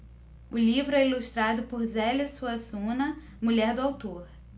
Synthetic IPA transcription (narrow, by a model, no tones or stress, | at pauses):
ʊlivɾʊɛiluʃt̪ɾad̪ʊpoɾzɛlisuɐzũnɐ | muʎɛɾd̪ʊawt̪oɾ